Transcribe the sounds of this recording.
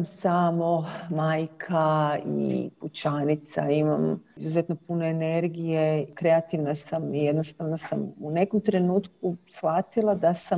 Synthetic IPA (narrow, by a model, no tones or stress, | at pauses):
msaːmo̞maːjkʰaḭput͡ʃanit̪sa̰imamizuzet̪no̞pune̞ːne̞ɾɡije̞kɾe̞at̪iʋnasamije̞d̪nost̪aʋno̞samune̞ko̞mt̪ɾe̞nuːt̪kusxat̪ilˠad̪asa